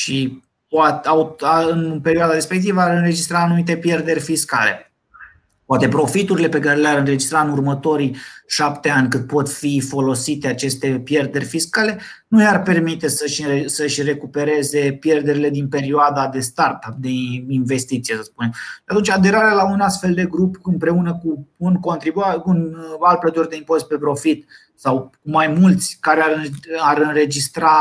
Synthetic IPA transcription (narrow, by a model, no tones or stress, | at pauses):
ʃi | poat̪awaɨnpe̞ɾioad̪aɾespe̞k̚t̪̬ivəaɾɨnre̞d͡ʒist̪ɾaːnumit̪̬e̞pje̞rd̪e̞rʲfiska̰le̞̰ | poat̪e̞pɾo̞fit̪uɾile̞pe̞kaɾe̞leaɾɨnre̞d͡ʒist̪ɾaɨnurmət̪o̞ɾiʃapt̪e̞anʲkɨnd̪̚po̞t̪fifo̞lo̞sit̪e̞at͡ʃe̞st̪e̞pje̞rd̪e̞rʲfiskale̞ | nujarpe̞rmit̪e̞səʃesəʃʲre̞kupe̞ɾe̞ze̞pje̞rd̪e̞ɾile̞d̪inpe̞ɾioad̪ad̪e̞st̪art̪ap̚d̪einve̞st̪it̪sijesəspune̞mʃat̪unt͡ʃad̪e̞ɾaɾealaunast̪fe̞ld̪e̞ɡɾupɨmpɾe̞unəkuunko̞nt̪ɾibuakunalt̪̚plət̪urʲd̪eimpo̞st̪̚pe̞pɾo̞fit̪ | sawkumajmult̪sʲkaɾeaɾɨaɾɨnre̞d͡ʒist̪ɾa